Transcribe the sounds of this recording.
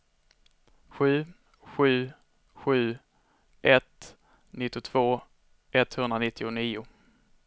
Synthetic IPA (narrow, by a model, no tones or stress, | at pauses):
ɧʉ̟ː | ɧʉ̟ː | ɧʉ̟ː | ʔɛt̪ | nɪt̪ːɪʊt̪ʰv̥oː | ʔɛt̪hɵnd̪ɾanɪt̪ʰːɪʊniːʊ